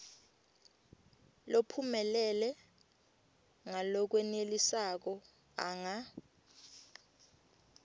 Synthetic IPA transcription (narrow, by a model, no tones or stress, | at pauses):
lopʰumɛlɛlɛ | ŋalɔk̬wɛnelisak̬ɔ | a̰ŋa